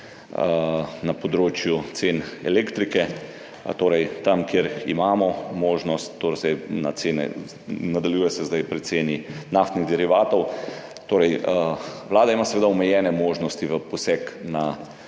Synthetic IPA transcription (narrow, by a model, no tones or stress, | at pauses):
napɔd̪ɾoːt͡ʃjut̪senɛ̰leːkt̪ɾikɛ | t̪oːɾɛjt̪amkjeɾḭmaːmɔmoːʒnɔst̪ːoɾsɛna̰t̪seːnɛ̰ | nad̪aljuːjɛsɛzd̪ajpɾɛt̪seːninaft̪niɣd̪ɛɾiʋaːt̪ɔw | t̪oːɾɛj | ʋlaːd̪aimasɛʋeːd̪aɔmɛjɛːnɛmoːʒnɔst̪iʋəpɔsɛkna